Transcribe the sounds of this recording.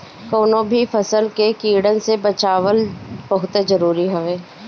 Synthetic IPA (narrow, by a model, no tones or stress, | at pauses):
koːnõbʱifʰɐsəlkekiːɽənsebɐt͡ʃaːʋəlbɐɦʊt̪ezɐɾuːɾiɦoʋeː